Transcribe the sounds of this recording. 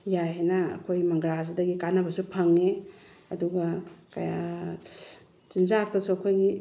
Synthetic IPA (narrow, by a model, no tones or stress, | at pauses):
jajɦenɐ̰ːkʰojmɐŋɡɾazdɐɡikanɐbɐsupʰɐŋeɐduɡakɐja | t͡ʃinzak̚tɐsuɐkʰojɡi